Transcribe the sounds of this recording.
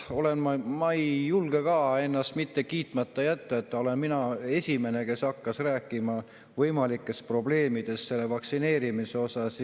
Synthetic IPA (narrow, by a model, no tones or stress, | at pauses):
o̞le̞nmɑmɑjjulɡ̥e̞kɑːe̞nːɑst̪mit̪ːe̞kiːt̪ːˑmɑt̪ːɑjæt̪ːɑet̪ːˑo̞le̞nminɑe̞sʲime̞ne̞ke̞sɑkːɑsræːkːˑimɑ | vɤjmɑlikːˑe̞spro̞ble̞ːmid̪̥e̞sse̞lːe̞vɑksine̞ːɾimise̞o̞sɑs